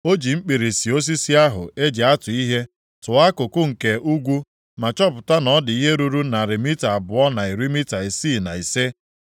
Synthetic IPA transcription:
o˦d͡ʒi˨ŋ͡m̩˦k͡pi˨ɾi˨si˨o˦s̬i˦si˦a˦ɦʊ̰˨e˦d͡ʒe˨a˦tʊ˨i˦ɦe˦ | tʊ˨a˦kʊ˨kʊ˦ŋ̩˨ke˨u˦ɡʷu˦ | ma˨t͡ʃɔ˦pʊ˨ta˦nɔ˦dɪ˨i˦ɦe˦ɾu˦ɾu˦na˨ɾɪ˨mi˦ta˨a˨bʊ˨ɔ˦na˨i˨ɾi˦mi˦ta˨i˨siː˦˨na˨i˨se˦

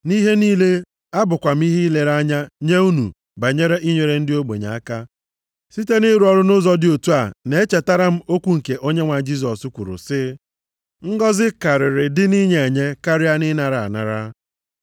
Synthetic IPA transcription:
ni˦ɦe˦niː˦le˦ | a˦bʊ˨kʷa˨m̩˦i˦ɦi˦le˦ɾa˦ɲa˦ɲe˦u˦nṵ˨ | ba˨ɲe˦ɾe˦ʔi˦ɲe˨ɾe˨n̩˦dɪ˦o˦ɡ͡bḛ˨ɲa̰˨a˦ka˦ | si˦te˦ni˦ɾu˨ɔ˨ɾʊ˦nʊ˦zɔ˦dɪ˨o˨tu˦a˨ne˨e˦t͡ʃe˨ta˦ɾa˦m̩˦o˦kʷu˦ŋ̩˨ke˨ʔo˦ɲe˦ŋʷa˨d͡ʒi˦s̬ɔ˨su˦kʷu˨ɾʊ̰˨sɪ˦ | ŋ̩˦ɡɔ˦zɪ˦ka˨ɾɪ˨ɾɪ˨dɪ˦ni˦ɲe˨e˨ɲe˦ka˦ɾɪ˦a˦nɪ˦na˨ɾa˨a̰˨na̰˨ɾa˦

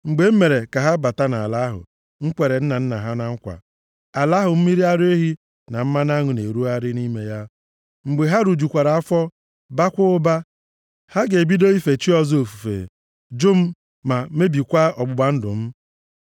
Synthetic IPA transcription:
ŋ͡m̩˨ɡ͡be˨m̩˦me˨ɾe˨ka˨ɦa˦ba˨ta˦na˨a̰˨la˨˦ɦʊ̰˨ | ŋ̩˦kʷe˨ɾe˨n̩˦na˨n̩˦na˨ɦa˦na˦ŋ̩˦kʷa̰˨ | a˨la˨˦ɦʊ˨m̩˦mi˦ɾi˦a˦ɾe˦ɦi˦ | na˨m̩˦ma˦na˦ŋʊ˨ne˨ɾu˦a˦ɾɪ˦ni˦me˨ja˦ | ŋ͡m̩˨ɡ͡be˨ɦa˦ɾu˨d͡ʒu˨kʷa˨ɾa˨a˦fɔ˦ | ba˦kʷʊ˦ʊ˦ba˦ | ha˦ɡe˨bi˦do˦i˦fe˨t͡ʃi˦ɔ˦zo˨fu˨fḛ˨ | d͡ʒʊ˦m̩˦ | ma˨me˦bi˨kʷa˦ɔ˨ɡ͡bʊ˨ɡ͡ba˨n̩˦dʊ̰˨m̩˦

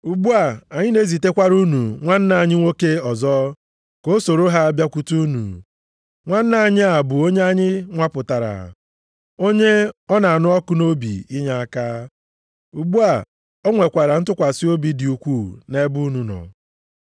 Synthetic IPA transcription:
u˨ɡ͡bu˦a˨a˨ɲɪ˦ne˦zi˨te˦kʷa˦ɾu˦nu˨ŋʷa˦n̩˦na˨a˨ɲɪ˦ŋʷo˦ke˦ɔ˨zɔ˦ | ko˦so˨ɾo˦ɦa˦bja˦kʷu˦tu˦nṵ˨ | ŋʷa˦n̩˦na˨a˨ɲɪ˦a˨bʊ˨o˦ɲe˦a˦ɲɪ˦ŋʷa˦pʊ˨ta˨ɾa̰˨ | o˦ɲe˦ɔ˦na˨a˨nʊ˦ɔ˦kʊ˦no˦bḭ˨i˦ɲa˦a˦kaː˦ | u˨ɡ͡bu˦a˨ | ɔ˦ŋʷe˨kʷa˨ɾa˨n̩˦tʊ˦kʷa˨sɪ˦o˦bi˨dɪ˨u˨kʷu˦˨ne˦bu˦nu˨nɔ̰˨

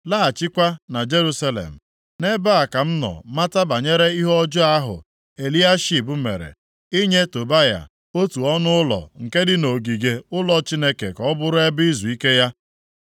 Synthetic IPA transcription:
la˦a˨t͡ʃɪ˦kʷa˦na˨d͡ʒe˦ɾu˦sa˦lḛ˨m̩˨ | ne˦ba˦a˨ka˨m̩˦nɔ̰˨ma˦ta˦ba˨ɲe˦ɾe˦i˦ɦɔ˦d͡ʒʊ˦a˦ɦʊ̰˨ | e˨li˦a˦ʃi˦˨bʊ˦mḛ˨ɾḛ˨ | i˦ɲe˦to˨ba˦ja̰˨ | o˦tu˨ɔ˦nʊ˦ʊ˦lɔ̰˨ŋ̩˨ke˦dɪ˦no˨ɡi˨ɡe˨ʊ˦lɔ˨t͡ʃi˦ne˦kḛ˨kɔ˦bʊ˦ɾʊ˦e˦bi˦zu˨i˦ke˦ja˦

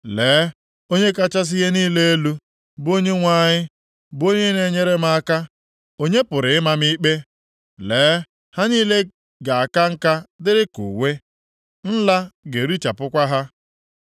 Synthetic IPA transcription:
leː˨˦ | o˦ɲe˦ka˦t͡ʃa˦s̬ɪ˦ɣe˦niː˦le˦e˦lu˦ | bo˦ɲe˦ŋʷa˦˨ɲɪ˦ | bo˦ɲe˦ne˨˦ɲe˦ɾe˦ma˦a˦ka˦ | o˦ɲe˦pʊ˨ɾɪ˨ɪ˦ma˦mi˦k͡pe˦ | leː˨˦ | ha˦niː˦le˦ | ɡa˨a˨ka˦ŋ̩˦ka˦dɪ˦ɾɪ˦kṵ˨we˦ | n̩˦la˦ɡe˨ɾi˦t͡ʃa˨pʊ˦kʷa˦ɦa˦

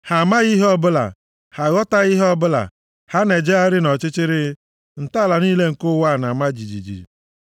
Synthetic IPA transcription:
ha˨ma˦ɣi˦ɦɔ˦bʊ˦la̰˨ | ha˨ɣɔ˦ta˦ɣi˦ɦɔ˦bʊ˦la̰˨ | ha˦ne˨d͡ʒe˦a˦ɾɪ˦nɔ˨t͡ʃɪ˦t͡ʃɪ˦ɾɪ˦ | n̩˨ta˦˨la˨niː˦le˦ŋ̩˨kʊ˦wa˦˨na˨ma˦d͡ʒi˨d͡ʒḭ˨d͡ʒḭ˨

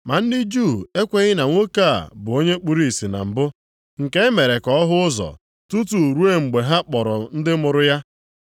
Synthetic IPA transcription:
ma˨n̩˦dɪ˦d͡ʒu˦˨e˦kʷe˦ɣɪ˦na˨ŋʷo˦ka̰˦˨bʊ˨o˦ɲe˦k͡pu˦ɾi˦˨si˨na̰˨m̩˨bʊ˦ | ŋ̩˨ke˦e˦me˨ɾe˨kɔ˦ɔ˦ɦʊ˦ʊ˦zɔ̰˨ | tu˦tu˨ɾu˦e˦ŋ͡m̩˨ɡ͡be˨ɦa˦k͡pɔ˨ɾɔ˨n̩˦dɪ˦mʊ˨ɾʊ˦ja˦

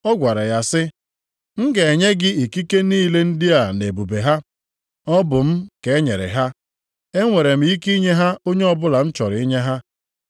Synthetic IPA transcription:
ɔ˦ɡʷa˨ɾa˨ja˨sɪ˦ | ŋ̩˦ɡe˨e˨ɲe˦ɡɪ˦i˨ki˦ke˦niː˦˨le˦n̩˦dɪ˦a˨ne˨bu˨be˨ɦa˦ | ɔ˦bʊ˨m̩˦ke˨e˦ɲe˨ɾɪ̰˨ɦa˦ | e˦ŋʷe˨ɾe˨m̩˦i˦ki˦ɲe˦ɦa˦o˦ɲe˦ɔ˦bʊ˦la˨n̩˦t͡ʃɔ˨ɾɪ˨i˦ɲe˦ɦa˦

